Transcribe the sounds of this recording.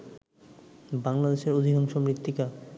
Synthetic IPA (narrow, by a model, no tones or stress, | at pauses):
baŋlad̪eʃeɾod̪ʱiɡonʃɔmɾit̪ːika